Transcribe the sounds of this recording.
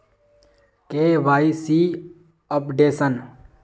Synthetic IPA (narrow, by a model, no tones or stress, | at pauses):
keːʋaːisiː | əpɖeːsən